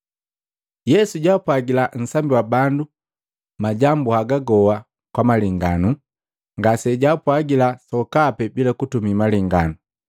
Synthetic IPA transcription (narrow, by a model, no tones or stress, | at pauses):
jɛsuɟapwaɡilan̩sambiwabandu | maɟambuhaɡaɡɔwa | kwamaliŋɡanu | ŋɡasɛɟaːpwaɡilasɔkapɛbilakutumimaliŋɡanu